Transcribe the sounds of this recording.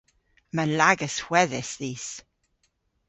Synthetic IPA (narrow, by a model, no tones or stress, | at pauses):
məlaɡəswɛðɪsðiːs